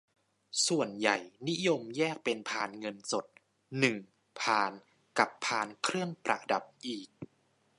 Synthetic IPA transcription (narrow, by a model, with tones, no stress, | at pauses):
su˨˩ənja̰˨˩jni˦˥jo˧mjɛː˥˩k̚pe˧npʰaː˧nŋɤ˧nso˨˩t̪̚ | nɯ˨˩ŋ | pʰaː˧n | ka˨˩pʰːaː˧nkʰɾɯ˥˩əŋpɾa̰˨˩da˨˩p̚ʔiː˨˩k̚